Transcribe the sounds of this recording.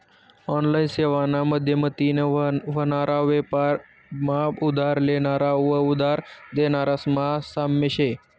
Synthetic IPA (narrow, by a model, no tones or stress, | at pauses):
ɔnlainseʋanaməd̪ʱjemət̪ineʋənaɾʔaʋepaɾ | maud̪ʱaɾlenaɾaʋəud̪ʱaɾd̪enaɾasmasamːeɕe